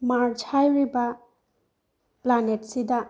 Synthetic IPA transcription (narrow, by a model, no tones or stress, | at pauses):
maɾt͡ʃʰajɾiba | planet̚sida